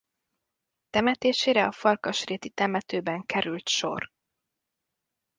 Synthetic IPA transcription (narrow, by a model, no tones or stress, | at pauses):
t̪ɛmɛt̪eːʃeːɾɛɒfɒrkɒʃreːt̪it̪ɛmɛt̪øːbɛŋkɛɾylt̪ʃo̞̰r